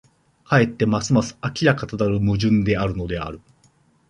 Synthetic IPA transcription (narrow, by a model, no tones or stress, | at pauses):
hae̞t̪ːe̞masɨmasɨ̥akʲiɾakat̪ad̪aɾɯ̟mɯ̟ʑɨ̃nd̪e̞aɾɯno̞d̪e̞a̰ɾɯ̟